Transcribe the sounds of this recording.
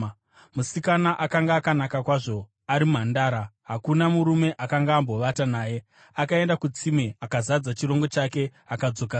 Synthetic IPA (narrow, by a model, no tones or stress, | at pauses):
musikanaʔakaŋɡaːkanakakwaʐo̞ | aɾimuɦandaːɾaɦakunamuɾume̞ʔakaŋɡaːmbo̞ʋatanaːje̞ | akae̞ndakut͡simeakazad͡zat͡ʃiɾo̞ŋɡo̞t͡ʃake̞akad͡zo̞ka